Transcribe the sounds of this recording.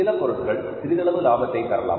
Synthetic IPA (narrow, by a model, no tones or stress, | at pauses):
ɪlɐpːɔɾɯʈːɯɣɐɭ | t̪ɪɾɪðɐɭɐʋɯlaːbɐt̪ːɐɪk̪ːɐɾɐɭa̰ːm